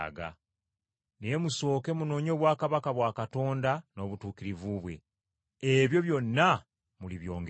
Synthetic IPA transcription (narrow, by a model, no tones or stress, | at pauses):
ɡa̰ | ne̞muso̞ːkemuno̞ːɲo̞ːβwaːkaβakaβwaːkato̞ːndano̞ːβutuːkiɾivuβwe̞̰ | eβjo̞βjo̞nːa | muliβjo̞̰ːŋɡ